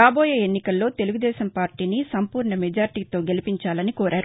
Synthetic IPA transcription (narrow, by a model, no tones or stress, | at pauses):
aːboːjeːenːikɐlːo̞ːt̪e̞luɡud̪ɛːʃɐmpaːɾʈiːnisɐmpuːɾɳɐmɛd͡ʒaːɾiʈiːt̪o̞ːɡe̞lipiɲt͡ʃaːlɐnikoːɾʔaːɾu